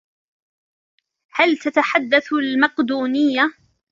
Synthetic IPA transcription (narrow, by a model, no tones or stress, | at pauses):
halt̪at̪aħad̪ːaθlmɑqd̪uːnɪjːa